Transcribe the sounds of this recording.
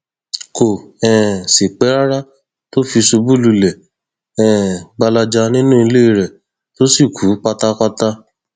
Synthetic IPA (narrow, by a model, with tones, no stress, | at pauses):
ko˨ɛ̃˨si˨k͡pɛ˨˦ɾa˦ɾa˦ | to˦fi˧so˧bu˦lu˧lɛ˨ | ɛ̃˨ɡ͡ba˧la˧d͡ʒa˧nĩ˦nũ˦i˧le˦i˧˦ɾɛ˨ | to˦si˦˨kʰu˨˦k͡pa˧ta˧k͡pa˦ta˦